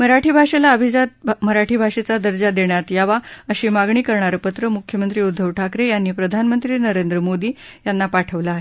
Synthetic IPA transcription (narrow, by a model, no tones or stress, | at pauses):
məɾaʈʰiːbʱaʂelaəbʱid͡zat̪məɾaʈʰiːbʱaʂet͡sad̪əɾd͡ʑad̪eɳjat̪jaʋaəɕiːmaɡɳ̃iːkəɾɳaɾəpət̪ɾəmukʰjəmənt̪ɾiːud̪ʱːəʋʈʰakɾejanːiːpɾəd̪ʱanmənt̪ɾiːnəɾend̪ɾəmod̪iː | janːapaʈʰəʋlaaːɦe